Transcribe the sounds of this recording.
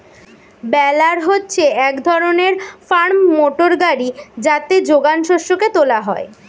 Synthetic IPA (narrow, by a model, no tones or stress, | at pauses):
bɛlaɾɦotːɕʰeɛkd̪ʱɔɾoneɾfaɾmːoʈoɾɡaɾid͡ʑat̪ed͡ʑoɡanʃɔʃoket̪olaɦɔe